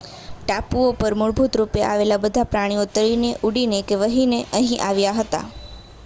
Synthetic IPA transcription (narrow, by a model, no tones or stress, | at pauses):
ʈapuopəɾmʊɭbʱut̪ɾupeʔaʋelabəd̪ʱapɾaɽ̃ĩut̪əɾineʔuɽinekeʋəɦineʔəɦĩʔaʋjaɦət̪a̰